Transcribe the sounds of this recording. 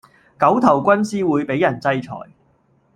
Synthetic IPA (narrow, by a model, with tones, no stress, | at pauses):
kɐ˨˥wt̪ʰɐ˨˩wkʷɐ˥nsiː˥wuː˨˧jpe˨˥jːɐ˨˩nt͡sɐ˥jt͡sʰɔ̰ː˨˩j